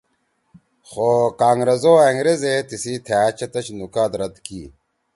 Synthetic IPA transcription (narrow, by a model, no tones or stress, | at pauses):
xoːkaːŋɾɐzoːeŋɡɾezet̪isiːt̪ʰjːt͡ɕɐt̪ɐɕnukaːt̪ɾɐd̪kḭː